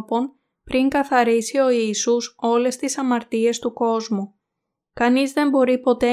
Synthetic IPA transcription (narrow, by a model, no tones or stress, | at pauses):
po̞n | pɾiŋkɐθɐɾisio̞iːsuso̞le̞st̪isɐmɐɾt̪ie̞st̪uko̞zmu | kɐnizðe̞mbo̞ɾipo̞t̪e̞